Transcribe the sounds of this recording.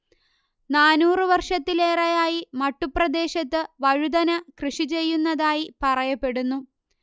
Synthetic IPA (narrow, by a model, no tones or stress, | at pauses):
naːnuːrɨʋɐrʂɐt̪ːile̞ːrɐjaːjimɐʈːuprɐd̪e̞ːɕɐt̪ːɨʋɐɻud̪ɐnɐkrɨʂit͡ɕe̞jːunːɐðaːjipɐrɐjɐpːe̞ɽunːu